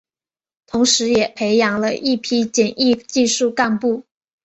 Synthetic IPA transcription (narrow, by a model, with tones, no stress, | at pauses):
t̪ʰʊ˧˥ŋʂɻ̩˧˥jɛ˨˩pʰe˧˥ɪjɑ˧˥ŋlə̰˧ʔi˥˩pʰi˥˩t͡ɕɛ˨˩ni˥˧t͡ɕi˥˧ʂu˥˧ka˥˧npu˥˩